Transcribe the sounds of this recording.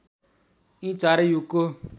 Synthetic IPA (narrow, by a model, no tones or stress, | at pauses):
ĩt͡ʃaɾejuko